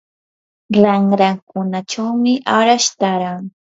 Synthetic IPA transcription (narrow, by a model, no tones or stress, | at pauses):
laŋɾakʊnaʈ͡ʂawmɪʔaɾaʃt̪aɾaŋ